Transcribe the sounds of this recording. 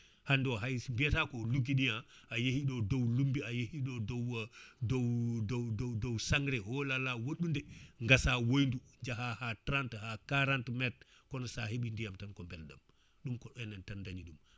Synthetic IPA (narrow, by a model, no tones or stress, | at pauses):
handɔɦajmbiɛtakɔluɡiɗijaʔajehiɗɔdowlumbiajehiɗɔdɔwdowdowdowdowsaŋɾɛhɔlalawoɗundɛŋɡasawojnduɲd͡ʒaɦahatɾanthakaɾantmɛt̚ | kɔnɔsaheɓindijamtankɔmbɛlɗɔm | ɗumkɔɛnɛntandaɲiɗum